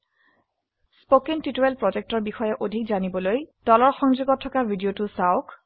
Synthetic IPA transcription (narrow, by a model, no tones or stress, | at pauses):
spokintitoelpɹɔzek̚tɔɹbixɔjɛʔodʱikzanibɔlojd̥ɔlɔɹxɔŋzuɡɔtʰːɔkabʱidijotusaʊk